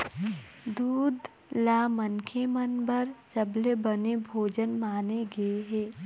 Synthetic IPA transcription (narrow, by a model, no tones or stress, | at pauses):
d̪uːd̪ | laːmənkʰemənbəɾsɐblebənebʱoːd͡ʒənmaːneɡeɦɛː